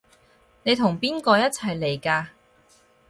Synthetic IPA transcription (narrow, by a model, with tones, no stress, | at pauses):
ne˨˧jt̪ʰʊ˨˩ŋpiː˥nkɔː˧jɐ˥t̚t͡sʰɐ˨˩jle˨˩jkaː˧